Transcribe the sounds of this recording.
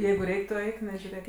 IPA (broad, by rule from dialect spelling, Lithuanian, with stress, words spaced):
ˈjɛɪɡʊ ˈrʲɛɪkʲ tʊ ˈɛɪk nʲɛʒʲʊˈrʲeːk